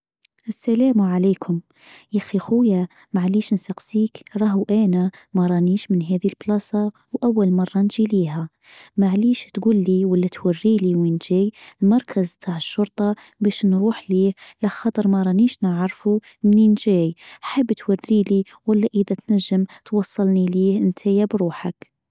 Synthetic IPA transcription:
ʔəsːælæːmʕalæːkʰʊm | jæxixʊjæ | maʕliːʃnsɑqsiːkɾˤɑːɦuʔænæmæɾˤɑniːʃmənɦæːðilblɑsˤɑ | wʔawːalmɑrˤːɑnʒiliːhæ | maʕliːʃt̪ɡulːiwəlːæt̪warːiliwinʒæːjlmɑɾˤkʰəzt̪ʰaʕəʃːʊɾˤt̪ˤɑ | bæʃnɾuːħliːhlæxɑt̪ˤəɾˤmæɾˤɑniʃnəʕɾˤfu | mninʒæjħəbːt̪warːili | wəlːæʔəðæt̪næʒːəmt̪wɑsˤːɑlniliːənt̪ʰæjabɾuːħak

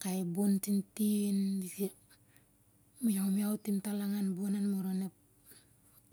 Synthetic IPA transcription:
kaibontintinisi | muɲamjawtimtalaŋanbonanmuɾonep̚

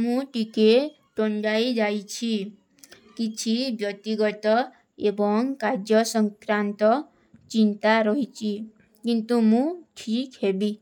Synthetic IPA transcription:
mũʈike | ʈoɳɖajd͡ʒajt͡ʃʰi | kit͡ʃʰibjɔt̪iɡɔt̪ɔ | ebɔŋkaɾd͡ʒjɔsɔŋkɾant̪ɔ | t͡ʃint̪aɾɔɦit͡ʃʰi | kint̪umũʈʰikhebi

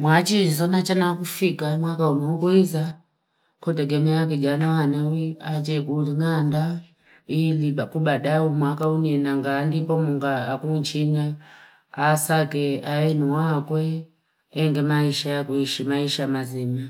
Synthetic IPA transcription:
mwat͡ʃizɔnat͡ʃanakufikamwakaunɔkuiza | kɔtɛɡɛmɛak̬ɛd͡ʒanawanawiat͡ʃɛkuliŋanda | ilibakubaɗaumwakauniɛnaŋɡaːndipɔmuŋɡaːkunt͡ʃinaː | sakɛaɛnuwakwɛ | ɛŋɡɛmaiʃajakuiʃimaiʃamazima

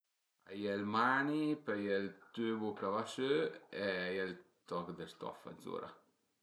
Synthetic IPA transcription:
a̰jɛlmanipajɛlt̪øbukavaʃøɛajɛlt̪ɔkd̪əst̪ɔ̰fa̰dzo̰ɾa̰

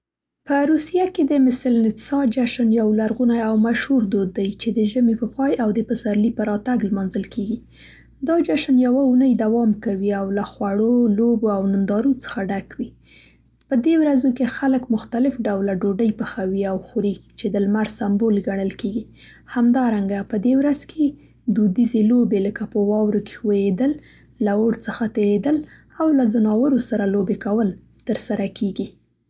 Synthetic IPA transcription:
pəɾusijaked̪əmɪsɪlnɪsɑd͡ʒaʃanjawlaɾɣunajawmaʃhuɾd̪od̪ːajt͡ʃed̪əʒəmepəpɑjawd̪əpəsaɾlipəɾɑt̪aɡlmɑnzəlkeɡi | d̪ɑd͡ʒaʃanjawaunəjd̪awɑmkawiawlaxwaɽoloboawnɪnd̪ɑɾut͡sə̥xaɖakwi | pəd̪ewɾazokexaləkmʊxt̪alɪfɖawlaɖoɖəjpəxawiawxuɾit͡ʃed̪əlmaɾsambolɡaɳəlkeɡi | hamd̪ɑɾaŋɡapəd̪ewɾazke | d̪ud̪izelobeləkapəwɑwɾoke̥xwajed̪əlː | aoɽt͡səxat̪eɾed̪əl | awlazanɑwəɾosaɾalobekawəl | t̪əɾsaɾakeɡi

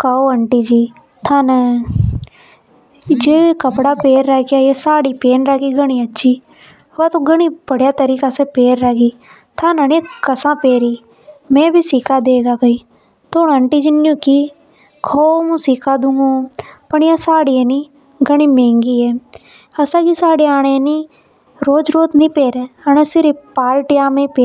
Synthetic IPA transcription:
kʰaoːəɳʈiːd͡ʒiː | t̪ʰaːnə | d͡ʒeːkəpɽaːpeːɾːɛːkjaːesaːɽiːpeːnɾaːkiːɡəɽ̃iːətːʃʰiː | ʋaːt̪õːɡəɳ̃iːbəɽjaːt̪əɾiːkaːseːpeːɾːɛːɡiː | t̪ʰanəniːkəsãːpeːɾiː | mɛ̃ːbiːsikaːd̪eːɡaːkəiː | t̪oːnəɳʈiːd͡ʒɪnjũːkiː | kʰoːmũːsiːkʰaːd̪ũːŋɡõːpəɳjaːsaːɽieniː | ɡəɽ̃iːmẽːŋɡiːɛː | əsãːkisaːɽeaːɽ̃eniː | ɾoːd͡ʒɾoːt̪nĩːpeːɾeːənẽːsɪɾipaːlʈɪjaːmẽːpeː

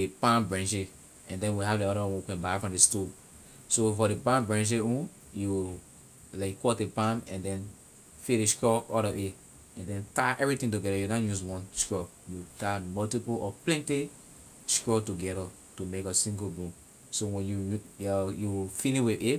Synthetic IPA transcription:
epãmbɹɛ̃nʃe | ɛ̃ndɛ̃nwiɦavdiɔɾawɔ̃wkɛ̃nbajfɹɔ̃mdesto | sofɔɾepãmbɹɛ̃nʃ̬eũn | ju | laɪkːɔtepãmɛ̃ndɛ̃n | feɾeʃkɔɔɾɔʔe | ɛ̃ndɛ̃ntaʔɛvɹitĩŋtuɡɛɾajunãnjuzwɔ̃nʃkɹɔ | jutamɔltipulɔplɛ̃nti | ʃkɹɔtuɡɛɾa | tumekasĩŋɡobũm | sowɛ̃njuɔjufiniwie

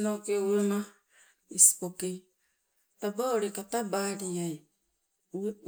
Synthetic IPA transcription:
nokeuwema | isi̥pokej | tabaoɾekatabaɾiaj | ue

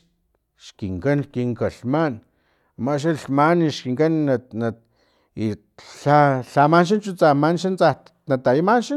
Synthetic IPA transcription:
ʃkiŋkankiŋkaɬman | maʃ̬aɬmaniʃkiŋkanana | i | ɬaɬamanʃ̬int͡ʃut͡samanʃant͡sa | nat̪ajimanʃi

